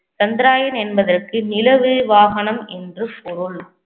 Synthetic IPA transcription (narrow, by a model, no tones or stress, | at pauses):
t͡ʃɐnd̪ɪɾaːjɐnɛnbɐðɐrkɯnɪlɐʋɯʋaːɣɐnɐmɛndrɯpɔɾɯɭ